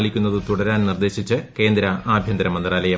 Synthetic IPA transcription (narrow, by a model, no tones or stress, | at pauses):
ɭikʲːunːɐðɨt̪uɽɐɾaːnnird̪e̞ːɕit͡ɕːɨke̞ːnd̪ɾɐaːbʱjɐnd̪ɾɐmɐnd̪raːlɐjɐ